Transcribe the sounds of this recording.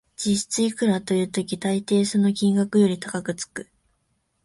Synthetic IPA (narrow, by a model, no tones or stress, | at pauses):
d͡ʑiɕi̥t͡sɨikɯ̟ɾat̪o̞jɯ̟ːt̪o̞kʲit̪ait̪e̞ːsono̞kʲĩŋɡakɯ̟jo̞ɾʲit̪akakɯ̟t͡sɨ̥kɯ̟̥